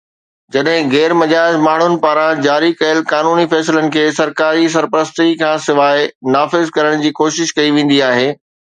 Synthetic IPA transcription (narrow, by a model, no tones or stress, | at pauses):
d͡ʑɐɗɦɪ̃ɣɛːɾmɐd͡ʑaːd͡ʑmaːɳ̤ʊnɪ̆paːɾãd͡ʑaːɾikɐjəlkaːnuːnifɛːsɪlənɪ̆kʰeːsɐɾkaːɾis̬ɐɾpəɾəst̪ikʰãːsɪʋaːɪnaːfɪzkɐɾəɽ̃d͡ʑiːkoːʃɪʃkɐiʋẽːn̆d̪iaːɦeː